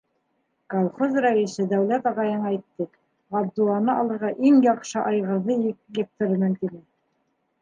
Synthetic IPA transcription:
kolˠχozræisɘd̪æwlæt̪ɑʁɑjɤɴɑæjt̪ːɘ | ɑb̚d̪ulˠɑnɤɑlˠɤ̆ɾʁɑʔiŋjɑqʃɤʔɑjʁɤ̆ɾðɤjɡĕk̚t̪ɘ̆ɾɤmɘ̆mt̪inɘ

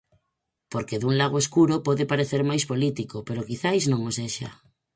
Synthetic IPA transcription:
poɾkeðuŋlaɣ̞oeskuɾopɔðepaɾeθeɾmajspolit̪ikopeɾokiθajznõŋoseʃa̰

